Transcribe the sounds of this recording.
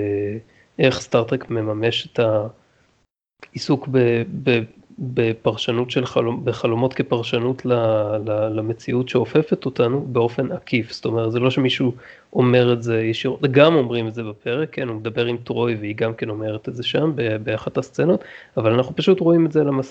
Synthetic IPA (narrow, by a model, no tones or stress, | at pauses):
ʔeχst̪aʁt̪ekme̞mame̞ʃe̥tʰa | isukbebebepaʁʃanutʃelχalombeχalo̞mo̞tkepaʁʃanutʰlalalamet͡siutʃeo̞fe̞fe̞t̪o̞tanube̞o̞fe̞nakʰifst̪o̞meʁtzelo̞ʃemiʃu | ʔo̞me̞ʁetzejeʃiʁotɡamo̞mʁimetzebape̞ʁekʰːenumed̪abe̞ʁimtʁo̞jveiɡamke̞no̞me̞ʁetetzeʃambebeaχatast͡seno̞tavalanaχnupaʃutʁoimetzelamas